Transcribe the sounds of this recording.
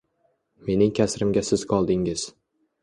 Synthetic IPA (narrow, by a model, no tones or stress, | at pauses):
me̞nɪŋkʲʰasɾɪmɡʲasɪz̥qʰɒlˠd̪ɪŋɪz̥